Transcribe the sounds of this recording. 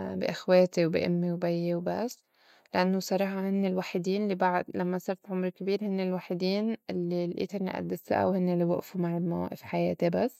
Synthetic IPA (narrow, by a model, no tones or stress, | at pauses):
bḭʔɪxweːt̪iwbḭʔʊmːiwbajːewbasː | lɪʔanːosˤɑɾˤɑːħɑhɪnːelwaːħɪd̪iːnlːibaʕd̪lamːasɑɾt̪ʕʊmɾkɪbiːɾhɪnːelwaːħɪd̪iːnʔɪlːilʔḭːt̪anːḭʔa̰d̪ːɪsa̰ʔa̰whɪnːeliwa̰ʔfumaʕɪlmawa̰ːʔɪfħajḛːt̪ebasː